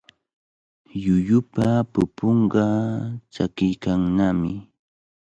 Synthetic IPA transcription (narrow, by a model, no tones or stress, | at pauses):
jʊjʊpapʊpoɴɢɑt͡ʃakɪjkaŋnamɪ